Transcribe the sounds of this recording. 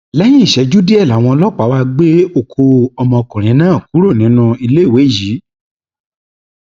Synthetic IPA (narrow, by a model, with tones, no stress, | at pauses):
lɛ˦j̃ĩ˦˨ʃɛ˨˧d͡ʒu˦di˦ɛ˦˨la˨˦˨w̃ɔ̃˧lɔ˦˨k͡pa˨˦wa˧ɡ͡be˦o˦˨kʰo˧ɔ˧mɔ̃˧kɔ̃˨ɾ̃ĩ˨˦nãː˦˨ku˨˦ɾo˦˨nĩ˨˦nũ˧i˧le˦˨we˨˦˨ji˨˦